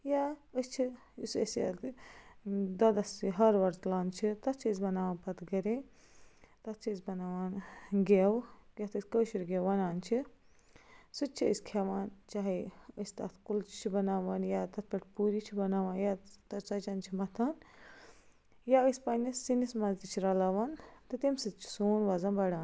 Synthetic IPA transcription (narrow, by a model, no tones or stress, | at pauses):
jaəst͡ʃʰi | usə̰sjɐ̰ | d̪ɐd̪ɐsiɦɐɾʋɐɾt̪laːnt͡ʃʰit̪ɐt̪ʰt͡ʃʰəzbɐnaːʋaːnpɐt̪ɡɐɾẽ | t̪ɐt̪̚ʰt͡ʃʰisbɐnaːʋaːnɡewket̪əsʲkəʃuɾɡewʋɐnaːnt͡ʃʰi | sɨt͡ʃʰiə̰sʲkʰeʋaːnt͡ʃaːɦiəsʲt̪ɐ̰t̪ʰkult͡ʃt͡ʃʰibɐnaːʋɐnjat̪ɐt̪̚ʰpʲɐʈʰʲpuɾit͡ʃʰibɐnaːʋaːnjat̪ɐt͡ʃɐt͡ʃɐnt͡ʃʰimɐt̪ʰɐn | jaəspɐnisinismɐzd̪it͡ʃʰiɾɐlɐːʋɐnt̪ɨt̪imsɨt̪̚t͡ʃʰi̥soːnʋɐzɐnbɐɽaːn